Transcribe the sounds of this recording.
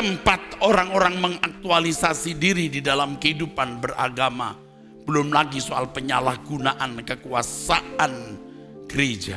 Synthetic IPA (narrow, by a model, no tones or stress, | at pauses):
t̪əmpat̪̚oɾaŋoɾaŋməŋak̚t̪ualisasidiɾididalamkəhidupanbəra̰ɡama̰ | b̥əlʊmlaɡisoa̰lpəɲalahɡ̥unaʔankəkuasaʔan | ɡ̥əɾed͡ʒa̰